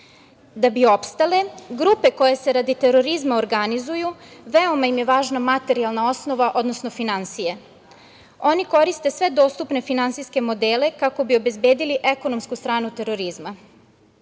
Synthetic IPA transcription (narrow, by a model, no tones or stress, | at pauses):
d̪abio̞pst̪ale̞ɡɾupe̞ko̞jese̞ɾad̪it̪e̞ɾo̞ɾizmaoɾɡanizujuʋeo̞maimjeʋaːʒnamat̪e̞ɾialˠnao̞sno̞ʋaʔo̞d̪nosno̞finansije̞ | o̞niko̞ɾist̪e̞sʋe̞d̪o̞ːst̪upne̞finantsiske̞mo̞d̪eːle̞kako̞bio̞be̞zbeːd̪iliʔeko̞no̞mskust̪ɾaːnut̪e̞ɾo̞ɾizma